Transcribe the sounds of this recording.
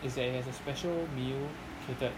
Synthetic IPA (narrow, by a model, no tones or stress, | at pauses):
ɪzdɛtɪt̚hɛzəspɛʃəlˠmil | tʰɪtət